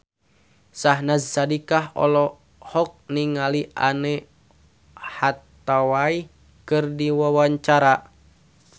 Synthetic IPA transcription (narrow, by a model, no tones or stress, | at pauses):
saɦnazsadikaɦɔ̰lɔ | hɔk̚niŋaliʔanɛ | hat̪ːawai | kɨrdiwawaɲt͡ʃaɾa